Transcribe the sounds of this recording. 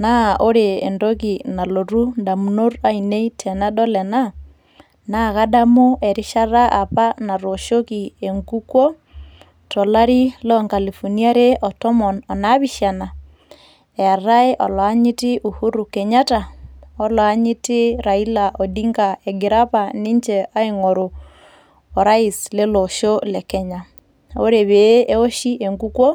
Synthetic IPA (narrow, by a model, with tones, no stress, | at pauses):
nao˦ɾḛːndokina˨loɾundamuno˦ɾaine˦itʰɛna˦ɗɔlɛna | naɣadamu˦ʔeɾi˦ʃaɾaʔa˨pana˨ɾoʃokieŋɡukwɔ˦ | tɔ˨laɾi˦lɔŋka˨li˨fonia˦ɾe˦ʔɔtɔmɔnɔnaβiʃa˨na | e˨a˨ɾa˦e˦ʔɔ˨la˦ɲi˦ti˦ʔuhu˦ɾu˨kɛ˨ɲa˦ta˨ɔ˦lwa˦ɲi˦ti˦ɾa˨i˦la˨ʔo˨di˦ŋɡa˨eɡi˨ɾa˦pa˨ni˦ɲd͡ʒɛʔa˦iŋoɾoː˨ | ɾa˦i˨sle˦lo˨ʃo˦le˨kɛ˦ɲa˨ | o˦ɾe˨βe˨˦e˦o˦ʃi˦ʔe˨ŋɡu˦kwo˦